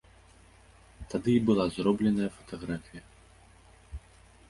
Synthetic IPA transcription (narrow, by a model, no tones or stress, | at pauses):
t̪ad̪ɨbɨlˠazrɔblʲɛnɐjɐfɐt̪aɣɾafʲijɐ